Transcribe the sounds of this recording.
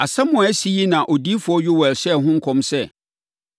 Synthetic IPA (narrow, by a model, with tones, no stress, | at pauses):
a˨sã˦mʊ̃˨æ˦si˨ji˦nã˨ʔo˨di˦fʊ˨˦ɔ˦ɥʊ˦wɛ˨lsɛ˦˨ɦʊ̃˦ŋ̩˦kʰɔ̃˨msɛ˦˨